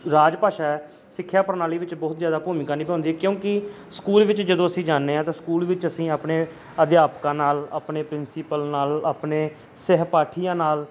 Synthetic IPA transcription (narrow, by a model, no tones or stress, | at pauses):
ɾaːd͡ʒpaːʃaːɛː | sɪkʰːjaːpəɾnaːliːʋɪt͡ʃbɔːt̪zjaːd̪aːpuːmɪkãːnĩːpɛ̃õːnd̪iːɛːkjõːkɪ | skuːlʋɪt͡ʃd͡ʒəd̪õːəsĩːd͡ʒaːnːeːɦãːt̪ãːskuːlʋɪt͡ʃəsĩːaːpneː | əd̪jaːpkãːnaːla̰ːpneːpɾɪnsiːpəlnaːlaːpneː | sɛɦpaːʈʰijãːnaːl